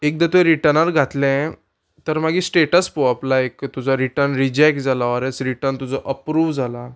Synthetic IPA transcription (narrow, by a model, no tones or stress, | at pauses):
ek̚d̪at̪uɛ̃ɾiʈəɾnəɾɡʱat̪lɛ̃ | t̪əɾmaɡiːsʈeʈəspoaplaekt̪ud͡zʱaɾiʈəɾnɾid͡ʑɛk̚ʈ̚d͡zalaʋaɾɛt͡sɾiʈəɾnt̪ud͡zɔʔəpɾuːʋd͡zʱala